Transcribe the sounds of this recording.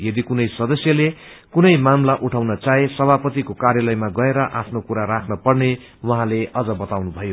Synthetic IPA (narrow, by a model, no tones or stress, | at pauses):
jʌd̪ikunʌjsʌd̪ʌsjʌle | kunʌjmamlaʔuʈʰawnʌt͡saesʌbʱapʌt̪ikokarjʌlʌjmaɡʌeɾʌʔapʰnokuɾaɾakʰnʌpʌrne | wʌɦãleʔʌd͡zʌbʌt̪awnubʱʌjo